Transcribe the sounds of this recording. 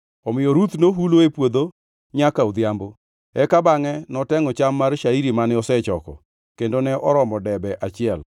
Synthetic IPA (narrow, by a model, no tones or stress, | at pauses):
ɔmɪjɔɾut̪noɦuloepwod̪o | ɲakaud̪jambo | ɛkabaŋɛnɔtɛŋɔt͡ʃamːaɾʃaiɾimanɪɔsɛt͡ʃɔkɔ̰ | kendonɛʔɔɾɔmɔdɛbɛʔat͡ʃɪɛl